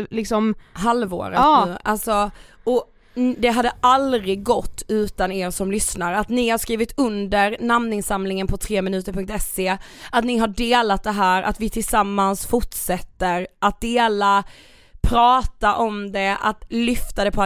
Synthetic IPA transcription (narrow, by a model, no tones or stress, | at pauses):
lɪksɔmɦalvo̰ːɾənʉ̟ːʔalsɔɔ | d̪ɛɦad̪ːəalɾɪɡːɔt̪ːʉ̟ːt̪aneːɾʂɔmlʏsnaɾəat̪nɪhaʂkɾiːvɪt̪ɵnd̪əɾnamnɪŋsamlɪŋənpʰɔt̪ʰɾeːmɪnʉ̟ːt̪əɾpʰɵŋk̚t̪ɛseːat̪nɪɦaɖeːlat̪̚d̪ɛɦæːɾʔa̰t̪vɪt̪ʰɪlsamːansfʊʈʂɛt̪ːəɾʔat̪̚d̪eːla | pʰɾɑːt̪aʔɔmd̪ɛat̪lʏft̪ad̪ɛpʰɔ